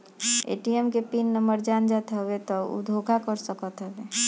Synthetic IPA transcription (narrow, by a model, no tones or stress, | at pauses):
ḛʈiemkepinːəməɾd͡ʒand͡ʒat̪ɦəbet̪ɔṵd̪ʱokʰakəɾsəkət̪ɦəbe